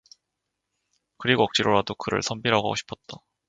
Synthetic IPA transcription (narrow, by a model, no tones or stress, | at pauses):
kɯɾiɡoʌk̚t͡ɕ͈iɾoɾadokɯɾɯ̰ɭsʰʌmbiɾɦaɡaɡo̰ɕʰi̥pʰʌt̚t͈a